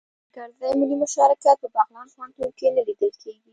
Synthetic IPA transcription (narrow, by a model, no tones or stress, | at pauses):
kaɾzajmɪlimʊʃɑɾakat̪̚pəbaɣlɑnxwɑnt̪oɾkenəlid̪əlkʰeɡi